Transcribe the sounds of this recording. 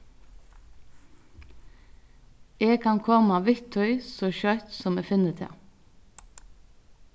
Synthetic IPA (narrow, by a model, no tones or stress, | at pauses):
eːɡ̚kʰɑnkʰɔmɑʋɪt̪ʰœʏsoːçœt̪sɔmeːfɪnət̪ʰḛː